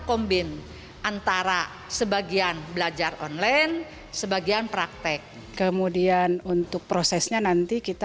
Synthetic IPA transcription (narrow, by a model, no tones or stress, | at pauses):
kɔmbɪn | ʔant̪aɾa | səbaɡianbəlad͡ʒarɔnlajn | səbaɡianpɾak̚t̪ɛk̚ | kəmudianunt̪ʊk̚pɾosɛsɲanant̪ikit̪